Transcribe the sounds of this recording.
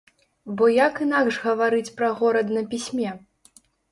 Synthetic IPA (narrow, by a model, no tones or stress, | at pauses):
bɔjakɨnaɡʐɣɐvaɾɨt͡sʲpɾɐɣɔɾɐd̪nɐpʲisʲmʲɛ